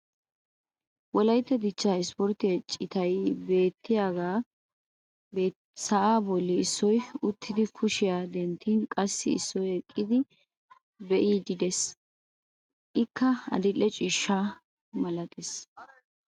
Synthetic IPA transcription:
wɔlɐjt̪ːɛd̪ɪt͡ʃːaːɪspɔɾt̪ːɪɛt͡ʃʼːɪt̪ɐjbe̞ːt̪ːɪjaːɡaː | beː | sɐʔaːbɔlːɪɪsːɔjʊt̪ʰːɪd̪ɪkʰʊʃɪjaːd̪ɛnt̪ʰːiːnkʼɐsːɪɪ̰sːɔjɛkʼːɪd̪ɪ | bɛʔiːd͡ʒɪd̪ɛs | ʔɪkʰːɐɐ̰d̪ɪlːɛt͡ʃʼiːʃːa | mɐlɐt̪ʼɛs

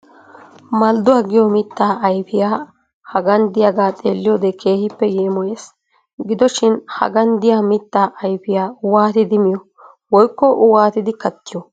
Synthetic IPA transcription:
mɐld̪ʊwaːɡɪjɔmɪt̪ːaːʔɐjpɪjaː | hɐɡɐnd̪ɪjaɡaːt̪ʼeːlːɪjoːd̪ɛkʰe̞ːhɪpːɛjeːmɔjeːs | ɡɪd̪ɔʃɪnhɐ̰ɡɐnd̪ɪjaːmɪt̪ːaːʔɐjfɪjaːwaːt̪ɪd̪ɪmɪjɔ | wɔjkːɔwaːt̪ɪd̪ɪkɐt̪ːɪjɔ

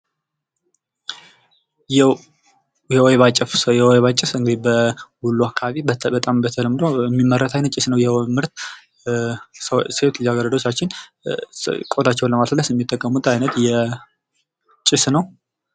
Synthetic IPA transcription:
j | jɛweβat͡ʃʼːɪfsjɛweβat͡ʃʼːɪfɨŋɡɨd̪ibəhulːuakʰaβaβibəət̪ʼambət̪ʰələmːɨd̪oɛmːimːərːət̪ʰajnət̪̚t͡ʃʼːɪsnəwjɛmɨɾt̪ | sewt̪aɡəɾəd̪o̞t͡ʃːat͡ʃːɪn | kʼot̪ʰat͡ʃːɛwnləmasləsɛmːit̪ʼːəkʼːəmːut̪ʰajnət̪jɛ | t͡ʃʼɪsnəw

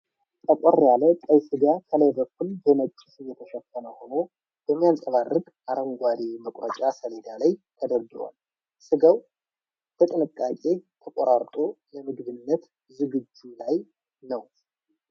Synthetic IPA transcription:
t̪ʼəkʷʼɔɾjalət̪ʼəjsɨɡakʰələjbəkːulbəmət͡ʃʼːɪsɨjːɛt̪ʰəʃəfːənəho̞no̞ | bəmːijansʼəβarːɨɡʼ | ʔaɾəŋɡʷaɾiməkʼɾət͡ʃʼasəled̪alajt̪ʰəd̪əɾɡɨɾa̰l | sɨɡəw | b̥ət̪ʼɨnɨkʼːakʼe̞t̪ʰəkʼoɾaɾt̪ʼo̞ləmɨɡβɨnːət̪ | zɨɡɨd͡ʒːulaj | nəw

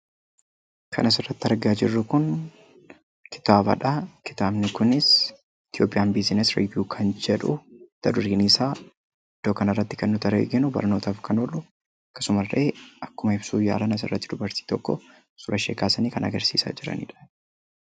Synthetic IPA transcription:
kʰɐ̰nɐsɪrːɐt̪ːɪɐɾɡaːd͡ʒɪrːʊkʊn | kɪ̥t̪aːbɐ̰ᶑɐkɪ̥t̪aːbnɪkʊnɪs | ɪt̪ɪjo̞ːpʼɪjaːnbiznɛsɾɪ̰vjuːkʰɐnd͡ʒɛᶑʊt̪ːɐd̪ʊɾiːniːsaː | ɪd̪̥ːo̞ːkɐnɐrːɐt̪ːɪkɛnːʊt̪ɐɾḛːɡɪnʊbɐ̰ɾno̞ːt̪aːfkʰɐnoːlʔʊ | ɐkːɐ̥sʊmɐrːʔeːʔɐkːʊmɐɪb̥suːja̰ːlɐnɐs̬ɪ̰rːɐt̪ːɪd̪ʊbɐɾt̪i̥ːt̪ɔkːɔ | sʊɾɐʃeːkaːsɐniːkɐnɐɡɐɾsḭːsa̰ːd͡ʒɪɾɐ̰nḭːᶑɐ̥

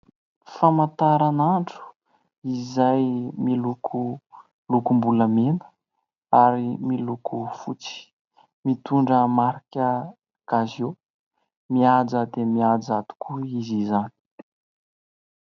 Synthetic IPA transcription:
famant̪aɾanaɳʈ͡ʂu̥ | izajmilukʰu | lukumbuləmenə̥ | aɾimilukufut͡si̥ | mit̪uɳɖ͡ʐəmaɾikʲə | ɡ̥azjo | miad͡zəd̪emiad͡zad̪u̥kuizizani̥

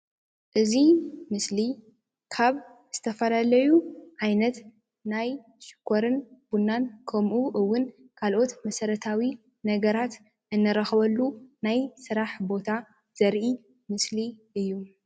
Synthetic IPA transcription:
ʔɨzimɨsli | kʰaβz̥ɨt̪ʰɐfɐlalɐjuʕajnɐt̪ | naj | ʃɪ̥kʰːoɾɨnb̥unːankʰɐmʔuʔɨwːʊn | kʰalʔo̞t̪mɐsɐɾɐt̪ʰawi | nɐɡɐɾat̪ | ʔɨnːɨɾɐxβɐlːunajsɨɾaħbo̞t̪ʰa | z̥ɐɾʔi | mɨsliʔɨjːu

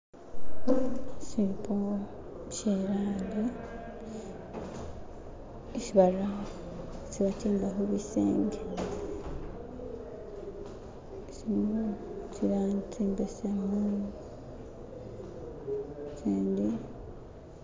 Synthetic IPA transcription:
sipo | t͡ʃeɾaːndi | iʃiβaɾaɦ | t͡ʃiβat͡ʃiːmbaɦoβisḛːŋɡe | siot͡ʃiɾaːnt͡siːmbesemu | seːndi

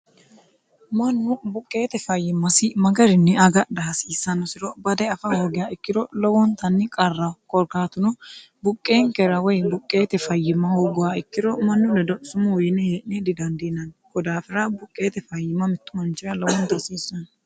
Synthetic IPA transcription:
mɐnːʊbʊkʼːe̞ːt̪ɛfɐjːɪmːɐsɪmɐɡɐɾɪnːɛɐɡɐd̪ɐɐsiːsːɐnɔsɪɾɔbɐd̪ɛɐfɐhoːɡɪjaːɪkːɪd̪ɔlɔwɔnt̪ɐnːɪkʼɐrːɐkʼɔɾkaːt̪ʊnʊ | bʊkʼːe̞ːŋkɛɾɐwɔjbʊkʼːe̞ːt̪ɛfɐjːɪmːɐhoːɡʊwaɪkːɪd̪ɔmɐnːʊdɛd̪ɔsʊmʊwjɪnɛheːʔnɛd̪ɪd̪ɐnd̪inɐnkɔd̪aːfɪɾɐbʊkʼːe̞ːt̪ɛfɐjːɪmːɐmɪt̪ːʊmɐnt͡ʃːɪɾɐlɔwɔnt̪ɐsiːsːɔn

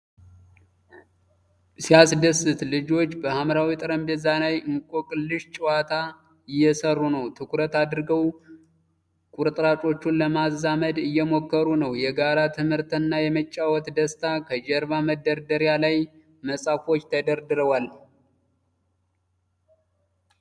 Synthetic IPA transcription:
sijasd̪əsɨt̪lɨd͡ʒo̞t͡ʃːbəhamɾawit̪ʼɨɾəmbezanajɨŋkʼokʼːɨʃt͡ʃʼɪwat̪ʰa | ɪjːɛsərːunəwt̪ʰɨkʰɾət̪ad̪ɾɨɡəw | kʼuɾt̪ʼɾat͡ʃʼo̞t͡ʃːunləmazːaməd̪ɨjːɛmo̞kːəɾunəwjɛɡaɾat̪ʰɨmhɨɾt̪ʰnːajɛmət͡ʃʼːawɔt̪d̪əst̪ʰakʰəd͡ʒɛɾβaməd̪ːəɾd̪əɾjalaj | məsʼafo̞t͡ʃːt̪ʰəd̪əɾd̪ɨɾəwal

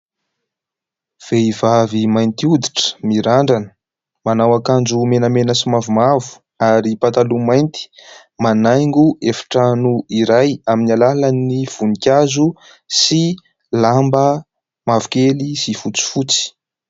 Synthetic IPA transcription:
v̥eivavimajnt̪iud̪iʈ͡ʂə̥miɾaɳɖ͡ʐanə̥ | manawakand͡ʒumenəmenəsimavumavu̥ | aɾipat̪alumajnt̪i̥ | manajŋɡuʔefi̥ʈ͡ʂanuiɾajaminalalaniv̥unikʲazu | si | lambə | mavu̥kelisifut͡si̥fut͡si̥

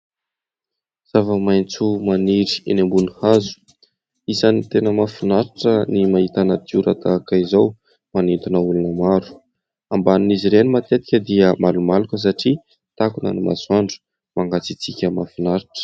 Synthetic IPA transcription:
z̥avəmajnt͡sumaniɾi̥enambunihazu̥ | isanit̪enəmafinaɾiʈ͡ʂənimaɦit̪anat̪uɾat̪akaizaw | manint̪unəulunəmaɾu̥ | ambanuniziɾenimat̪et̪i̥kʲəd̪iəmalumalukəs̬aʈ͡ʂi | t̪akuna̰nima̰swaɳɖ͡ʐu̥ | maŋɡat͡sit͡sikʲəmafinaɾiʈ͡ʂə̥

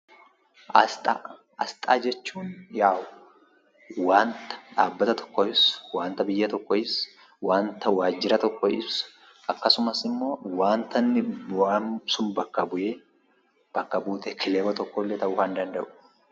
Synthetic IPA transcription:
ɐt̪ʼɐ | ɐst̪ʼaːd͡ʒɛt͡ʃːuːnjaːwʊ | waːnt̪ɐ̥ᶑaːbːɐt̪ɐt̪ʰɔ̥kːɔɪswaːnt̪ɐbɪjːɐt̪ɔkːɔɪs | waːnt̪ɐwaːd͡ʒːɪɾɐt̪ɔkːɔʔɪs | ɐkːɐsʊmɐsɪmːo̞ːwaːnt̪ɐnːɪbamsʊnbɐkːɐbʊje | b̥ɐkːɐbuːt̪ɛkʰɪleːwɐt̪ɔkːɔlːɛt̪ɐʔʊfɐnd̪ɐnd̪ɐʔʊ̥

